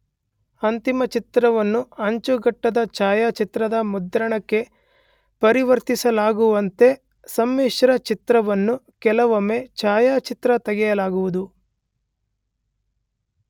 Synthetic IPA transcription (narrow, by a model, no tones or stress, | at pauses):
ɐnt̪imɐt͡ʃit̪ɾɐʋɐnːuɐɲt͡ʃuɡɐʈːɐd̪ɐt͡ʃaːjaːt͡ʃit̪ɾɐd̪ɐmud̪ɾɐɳɐkːe̞ | pɐɾiʋɐɾt̪isɐlaːɡuʋɐnt̪e̞ | sɐmːeːʂɐɾɐt͡ʃit̪ɾɐʋɐnːu | kɛlɐʋɐme̞t͡ʃaːjaːt͡ʃit̪ɾɐt̪ɐɡɛjɐlaːɡuʋud̪u